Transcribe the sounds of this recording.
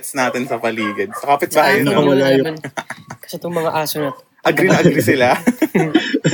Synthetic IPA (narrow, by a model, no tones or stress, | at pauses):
t̪snaːt̪ɪnsɐpɐliːɡɐd̪̚sɐkaːpɪt̪̚baajɐnɐmɐlajnkɐ̥sɛt̪ʊŋmɐŋɐʔaːsonɐt̪ | ʔɐɡɾɪnɐʔɐɡɾisɪla